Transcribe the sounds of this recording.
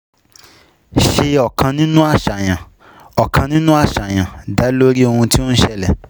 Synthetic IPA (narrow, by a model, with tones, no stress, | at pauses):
ʃe˧ɔ˨kã˧nĩ˦nũ˦a˦˨ʃa˨j̃ã˨ | ɔ˨kã˧nĩ˦nũ˦a˦˨ʃa˨j̃ã˨da˨˦lo˦ɾi˦o˧hũ˧ti˦o˦n̩˦ʃɛ˦lɛ˨